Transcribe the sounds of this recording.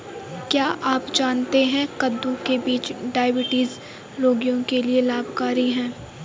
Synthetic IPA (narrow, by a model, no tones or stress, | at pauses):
kjaːʔaːpd͡ʒaːnt̪eɦɛ̃kɐd̪ːukebiːt͡ʃɖaːɪbɪʈiːz | loːɡijõkelielaːbʱkaːɾiɦɛ̃ː